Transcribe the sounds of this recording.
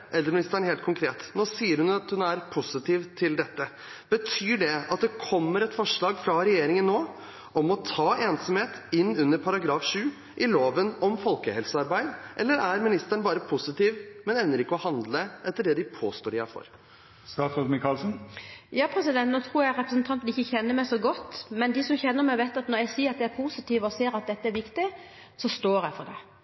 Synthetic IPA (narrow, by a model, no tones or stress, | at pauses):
ʔɛlːəɾmɪnɪst̪æɳheːlt̪kʰʊŋkʰɾeːt̪noːsiːəɾhʉnɑt̪hʉnæɾpʰʊsɪt̪ʰiːʋt̪ʰɪld̪ɛt̪ːə | b̥ət̪ʰyːɖɛɑt̪̚d̪ɛkʰɔmːəɾɛt̪fɔʂɭɑːɡfɾɑɾɛjeːɾɪŋənːoː | ɔmɔt̪ʰɑːʔeːnsɔmheːt̪ɪnːʉnːəɾpʰɑɾɑɡɾɑːfʂʉː | ʔɪloːʋənɔmfɔlkəhɛlsəɑɾbæɪd̪ʔɛlːəɾæɾmɪnɪst̪æɳbɑːɾəpʰʊsɪt̪iːʋmɛnɛʋnːəɾɪkːəɔhɑnd̪ləʔɛt̪ːəɖɛːd̪ɪpʰoːst̪oːɾɪæ̰fɔ̰ɾ | st̪ɑːsɔmɪkɑlsn̩jɑːpʰɾɛsɪd̪ɛnt̪nɔt̪ʰɾuːɾjæɾɛpɾəs̬nt̪ʰɑnt̪n̩ɪçːəçɛnːəmæɪsɔɡɔt̪ːmɛnd̪ɪsɔmçɛnːəɾmæɪʋeɪt̪ɑt̪nɔɾjæɪsiːəɾɑt̪̚d̪ɛæɾpʰusɪt̪iːʋəɔseːɾɑt̪̚d̪ɛt̪ːəæɾʋɪkt̪ɪ | sɔst̪oːɾjæɪfɔd̪ɛ